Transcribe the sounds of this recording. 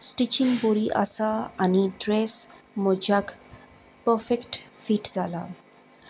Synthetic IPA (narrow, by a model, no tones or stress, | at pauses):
sʈit͡ʃinboɾiʔa̰saaniɖɾes | mɔd͡ʒaɡ | pəfekʈfiʈzala̰